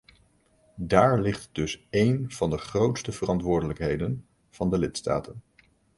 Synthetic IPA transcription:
daːɹlɪχtdɵsejnv̥ɑndəχrowtstəvərɑntʋʊːɹdələkɦejdən | v̥ɑndəlɪtsta̰ːtən

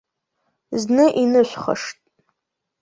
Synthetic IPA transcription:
znɨʔinɨʃʷχə̰ʂtʼ

